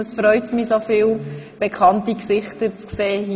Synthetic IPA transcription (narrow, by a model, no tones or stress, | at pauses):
əsfɾœʏtmisofɪːl | b̥ɛkʰχɑntiksɪχtət͡skseːɦi